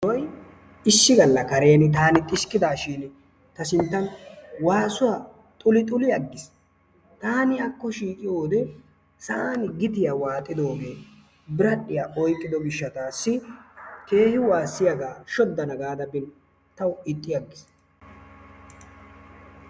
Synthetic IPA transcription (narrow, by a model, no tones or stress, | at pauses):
ɔj | ɪʃːɪɡɐlːɐkɐɾe̞ːnɪt̪aːnɪt̪ʼɪʃkɪd̪aːʃɪn | t̪ɐsɪnt̪ːɐnwaːsʊwa | t̪ʼʊlɪt̪ʼʊlɪjɐɡːɪs | t̪aːnɪɐkːɔʃiːkʼɪjo̞ːd̪ɛ | sɐaːnɪɡɪt̪ɪjawaːt̪ʼːɪd̪o̞ːɡe̞ː | bɪɾɐɗːɪjaʔɔjkʼːɪd̪ɔɡɪʃːɐt̪aːsːɪke̞ːhɪwaːsːɪjɐɡaːʃɔd̪ːɐnɐɡaːd̪ɐbɪn | t̪ɐwʊɪt̪ʼːɪjɐɡːɪs